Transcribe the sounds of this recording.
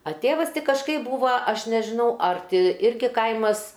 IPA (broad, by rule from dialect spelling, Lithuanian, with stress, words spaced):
ɐ ˈtʲeːʋɐs ˈtʲɪ kɐʃˈkɐɪp ˈbuːʋɐ ˈɐʃ nʲɛʒʲɪˈnɐʊ ɐr ˈtʲɪ ˈɪrʲɡʲɪ ˈkɐɪmɐs